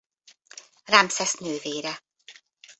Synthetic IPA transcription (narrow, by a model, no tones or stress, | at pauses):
ramsɛsnøːveːɾɛ